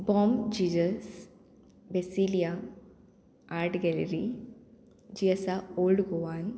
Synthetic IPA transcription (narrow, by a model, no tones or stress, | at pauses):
bɔːmd͡ʑiːd͡ʒəs | besilija | aɾʈɡɛleɾi | d͡ʑiəsaolɖɡoʋan